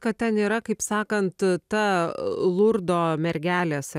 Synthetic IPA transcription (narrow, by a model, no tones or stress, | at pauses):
kɐt̚t̪ʲɛniːɾɐkɐɪpsɑːkɐnt̪t̪ɐlˠʊɾd̪oːmʲɛɾʲɡʲæːlʲes